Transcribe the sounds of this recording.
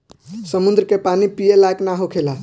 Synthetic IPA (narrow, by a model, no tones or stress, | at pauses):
səmund̪ɾkepanipijelajknaɦokʰela